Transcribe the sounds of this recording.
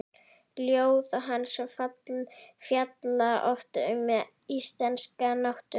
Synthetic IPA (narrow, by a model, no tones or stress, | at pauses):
ljoːwðaɦanːsɛmfat̪lfjat̪laʔɔft̪aʏmːɛ | ist̪lɛnskanawht̪ʏ